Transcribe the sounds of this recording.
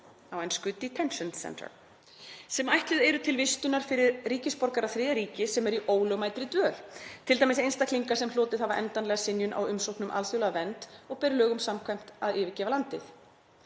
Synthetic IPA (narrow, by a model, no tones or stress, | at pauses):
awɛnskʏt̪ːit̪ʰɛnʃɔnsɛ̰nt̪ə̰ɾ | sɛmajht̪lɪðɛɾʏt̪ʰɪlvɪst̪ʏnaɾ̥fɪɾɪɾriːcɪspɔɾkaɾaθɾɪːðaɾiːcɪsɛmɛɾiʔoːwlœmajt̪ɾɪt̪vœːlt̪ʰɪlt̪ajmɪs̬ejnst̪akʰliŋkasɛmloːt̪ɪðhavaɾʔɛ̰nt̪anlɛɣasɪnjʏnʔa̰wʏmsowhknʏmʔa̰lθjowlaɣvɛnt̪ɔɣpɛɾɪlœːɣʏmsamkʰvam̥t̪aðɪːvɪcɛːvalant̪ɪθ